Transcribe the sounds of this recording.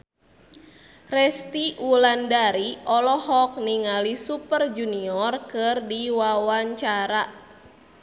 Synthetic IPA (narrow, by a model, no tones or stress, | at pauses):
rɛst̪iulandaɾiʔɔlɔhɔk̚niŋalisupərd͡ʒuniɔrkɨrdiwawaɲt͡ʃaɾa